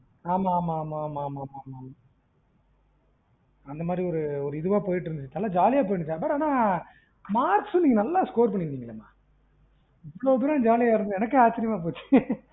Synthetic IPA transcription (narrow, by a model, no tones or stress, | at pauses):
aːmaːmamamaːmaːmaːma | ɐnd̪ɐmaːd̪ɾiɔɾɯɔɾɯɪðɯʋaːpoːjɪʈːɪɾɯnd̪ɯt͡ʃːnɐlːaːd͡ʒaːlɪjaːp̬oːjɳɯt͡ʃːãːbɐʈaːnaː | maːɾksuniːŋɡɐnɐlːaːskoːɾpɐɳːɪnd̪iŋɪlːɐma̰ː | ɪʋːɽoðɯnaːd͡ʒaːlɪjaːʋɪɾɯnd̪ɯɛnɐkːɯaːt͡ʃːɪɾɪjɐmaːp̬oːt͡ʃːɯ̥